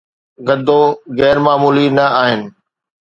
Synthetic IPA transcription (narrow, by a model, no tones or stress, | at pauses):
ɡɐd̪ʱːoɣɛːɾmaːmuːlinɐaːɦɪnɪ̆